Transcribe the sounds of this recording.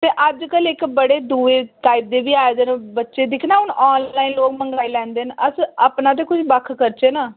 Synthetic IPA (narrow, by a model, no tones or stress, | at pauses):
t̪eːʔəd͡ʒkəlɪkbəɽeːd̪uːeːʈaːɪp̚d̪eːbiːaːeːd̪enbətːʃeːd̪ɪkʰnãːʊnɔːnlaːiːnloːkməŋɡaːilɛ̃ːnd̪eːnəsəpnaːt̪̬eːkʊt͡ʃʰbəkʰkəɾt͡ʃeːnaː